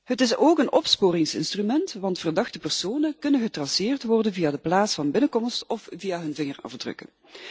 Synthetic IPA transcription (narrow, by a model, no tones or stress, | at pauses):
ɦətɪsoːkənɔpspoːrɪŋsɪ̰nstrymɛntʋɑntfərdɑχtəpɛrsoːnəkɵnənɣətrɑsɪːrtʋɔrdənvijaːdəplaːtsfɑnbɪnəkɔmstɔfvijaːɦɵnvɪŋərɑ̰vdrɵ̰kə̰n